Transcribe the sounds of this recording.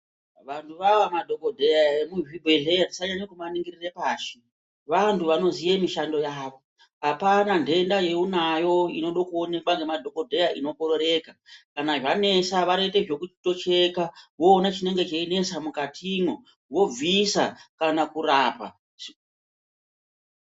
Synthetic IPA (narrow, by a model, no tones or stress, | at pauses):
ʋantʰuʋawamadʱo̞kodʱe̞jaemuʒibʱeɮejandisaɲaɲikumaniŋɡirirepaːʃe | ʋantʰuʋano̞zijemiʃando̞jaːʋo̞ | ɦapanandʱe̞ndaje̞unajo̞ino̞ɗokuone̞kwaŋɡe̞madʱo̞ko̞dʱe̞jaʔino̞ko̞ɾo̞ɾe̞ːkakanaʐane̞saʋaɾeite̞ʐo̞kuito̞t͡ʃe̞kawo̞ːnat͡ʃine̞ŋɡe̞t͡ʃaine̞samukatʰimwo | wo̞b͡visakanakuɾaːpa̰